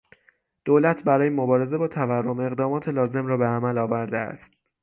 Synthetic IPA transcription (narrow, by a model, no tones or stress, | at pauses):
d̪̥oːlæt̪ʰbæɾɒːjemobɒːɾe̞ze̞bɒːt̪ʰæværːo̞me̞ɣd̪ɒːmɒːt̪ʰe̞lɒːze̞mɾɒːbe̞æmælɒːvæɾd̪eæ̰st̪̚